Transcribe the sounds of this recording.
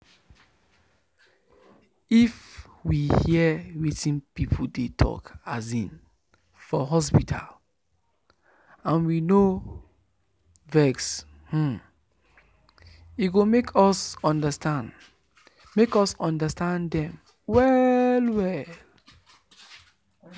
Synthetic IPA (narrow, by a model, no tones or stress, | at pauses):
if | wihiəwitĩnpipʰudetʰɔ̰kazĩn | fɔɦɔs̬pitʰa̰l | ãnwino | vɛks | h̩ | iɡomekʰɔsɔ̃ndəstãnd | mekɔsɔ̃ndəstãndɛ̃m | wɛlwɛl